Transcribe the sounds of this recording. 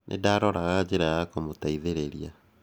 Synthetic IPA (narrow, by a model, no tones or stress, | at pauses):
nʔḛdaɾɔɾaɣad͡ʑeɾajakomotaiðeɾeɾia